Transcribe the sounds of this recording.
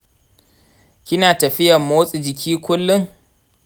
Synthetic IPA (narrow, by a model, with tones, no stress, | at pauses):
kʲɪ˦naː˨tɐ˨ɸɪ˦jɐ˨mːoː˦sʼi˨d͡ʒɪ˨kʲʰiː˦kʷʊ˦lːʊ˦ŋ